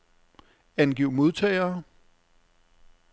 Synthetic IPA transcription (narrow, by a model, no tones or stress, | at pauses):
ænɡ̥iʊmo̝ðˠt͡sʰɛ̰ɪɐː